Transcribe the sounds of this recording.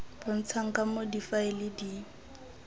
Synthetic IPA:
b̥ɔn̩t͡sʰaŋ̩kamodifaɪlɪdi

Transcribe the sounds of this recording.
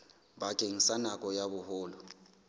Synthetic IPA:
bakʼeŋ̩sanakʼɔjaβʊhʊːlɔ

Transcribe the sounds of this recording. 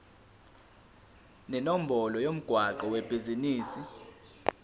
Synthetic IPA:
nɛnom̩bʱɔlɔjom̩ɡ̥ʱwaǃɔwɛb̥ʱiziniːsi

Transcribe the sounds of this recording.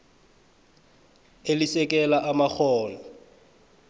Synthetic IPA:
elɪsɛkʼɛlaʔamak͡xʰɔːlɔ

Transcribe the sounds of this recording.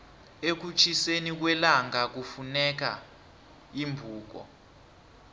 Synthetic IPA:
ek̬ut͡ʃʰisenik̬wɛlaŋak̬ufunɛk̬a̰ | imbʱuːk̬ɔ̰

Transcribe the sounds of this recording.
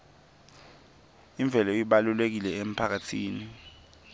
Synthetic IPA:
iɱb̪vʱɛlɔiɓalulek̬ilɛem̩pʰak̬atʰiːni

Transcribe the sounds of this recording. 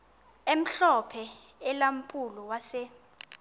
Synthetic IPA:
em̩ɬɔpʰɛ | ɛlam̩pʼulɔwasɛ

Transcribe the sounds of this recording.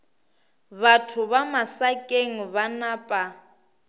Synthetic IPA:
βatʰʊβamasakʼeŋ̩βanaːpʼa

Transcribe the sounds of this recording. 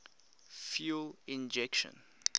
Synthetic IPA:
fjulĩnd͡ʒɛkʃə̰̃n

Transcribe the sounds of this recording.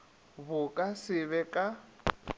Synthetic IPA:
βʊkʼasɪβɛkʼa

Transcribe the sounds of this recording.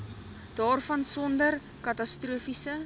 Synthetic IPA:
d̥ɑːrfɐnsɔndər | kɐtɐstruəfisə

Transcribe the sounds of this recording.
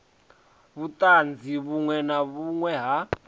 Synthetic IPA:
βutʼand͡zʱiβuŋwɛnaβuŋwɛɦa

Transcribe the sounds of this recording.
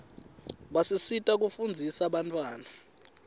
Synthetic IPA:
ɓasisitʼak̬ufund͡zʱisaɓantʼwaːna

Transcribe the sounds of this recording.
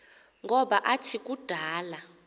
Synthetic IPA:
ŋɔɓaʔat͡ʃʰikʼud̥ʱaːla

